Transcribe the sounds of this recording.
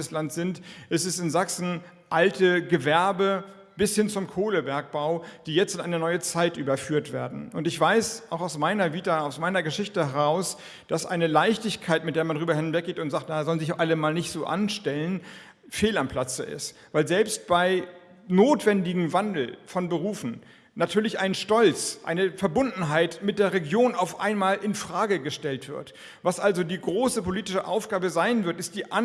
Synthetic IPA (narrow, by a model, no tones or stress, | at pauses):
əslantz̥ɪntʔɛstɛsɪnzaksn̩ | ʔaltʰəɡəvɛɐbə | b̥ɪshɪnt͡sʊmkʰoːləbɛɐk̚b̥aʊd̥iːjɛt͡stɪnʔaɪnənɔʏət͡saɪtʔyːbɐfyːɐtv̥eːɐdn̩ʔʊntɪçv̥aɪsʔaʊxaʊsmaɪnɐviːtaʊsmaɪnɐɡəʃɪçtəhɛʁaʊs | d̥asʔa̰ɪnəlaɪçtɪçkʰaɪtmɪtd̥eːɐmandʁyːbɐɦɪnvɛk̚ɡ̥eːtʊntz̥aːktnazɔlənzɪçʔaləmaːlnɪçtz̥oːʔa̰nʃtɛlən | feːlampʰl̥at͡səɪ̰stvaɪlzɛlpst̚b̥aɪ | noːtv̥ɛndɪɡŋ̩vandl̩fɔnbəʁuːfn̩ | natʰyːɐlɪçʔaɪnʃtɔlt͡sʔa̰ɪnəfɛɐbʊndn̩ɦaɪtmɪt̚d̥eːɐʁeɡjoːnaʊfʔa̰ɪnmaːlʔɪnfʁ̥aːɡəɡəʃtɛltv̥ɪ̰ɐt | vasʔalzodiːɡʁoːsəpʰoliːtɪʃəʔa̰ʊfɡ̥aːbəzaɪnvɪɐtɪst̚d̥iːʔa